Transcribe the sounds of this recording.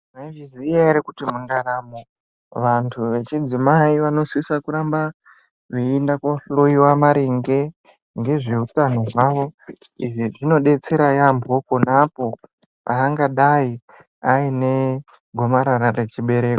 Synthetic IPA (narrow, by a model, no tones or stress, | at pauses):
naiʐizijaeɾekutimuŋɡanamo | ʋantʰuʋe̞t͡ʃid͡zimaiʋano̞swisakuɾamba | ʐiːndakoɬoiwamaɾiŋɡe̞ | ŋɡe̞ʐeutano̞ʐwaʋo̞ | iʐiʐino̞ɗe̞t͡se̞ɾajambʱo̞ponapo̞ | paːŋɡaɗai | aine̞ | ɡʱo̞maɾaɾare̞t͡ʃiɓe̞ɾe̞ːko